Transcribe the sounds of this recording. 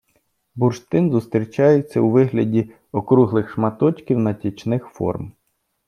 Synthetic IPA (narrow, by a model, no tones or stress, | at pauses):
burʃt̪ɪnzʊst̪ɾʲit͡ʃɑjet͡sʲːɐwʋɪɦlʲɐdʲi | ɔkɾuɦlˠɪxʃmɐt̪ɔt͡ʃkʲiwnɐtʲit͡ʃnɪxfɔ̰rm